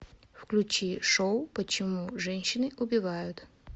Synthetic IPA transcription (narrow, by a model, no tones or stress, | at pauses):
wklʲʊt͡ʃiʃɔwpɔt͡ʃɔmuʒɛnʲʃːɪnɪʔɔbʲiʋɑjʊt̪ʲ